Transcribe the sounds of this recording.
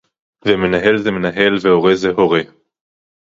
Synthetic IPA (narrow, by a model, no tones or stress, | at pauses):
veme̞naɦe̞lzemenaɦelvehoʁezeɦoʁe